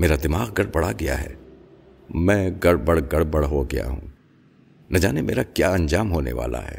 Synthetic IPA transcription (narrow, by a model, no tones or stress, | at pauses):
meːɾad̪ɪmaːɣɡɐɽbɐɽ̤aɡɐja̰ɦɛ̰ː | mɛ̃ːɡɐɽbɐɽɡɐɽbɐɽɦoɡɐja̰ɦṵ̃ː | nɐd͡ʒaːnemeːɾakjaːɐ̃nd͡ʒaːmɦoːnḛʋa̰ːla̰ɦɛ̰ː